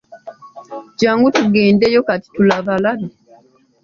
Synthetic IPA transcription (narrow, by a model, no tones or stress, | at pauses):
caːŋɡutuɡeːndejokati̥tulaβalala